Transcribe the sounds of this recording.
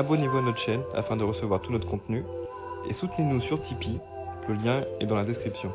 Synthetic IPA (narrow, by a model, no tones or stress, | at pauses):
abɔnevuanɔt̪χəʃɛna̰fɛ̃d̪əʁəsəvwaʁt̪unɔt̪χəkɔ̃t̪ny | ḛsut̪nenusyʁt̪ʰipi | ləljɛ̃ɛd̪ɑ̃lad̪ɛskχipsjɔ̃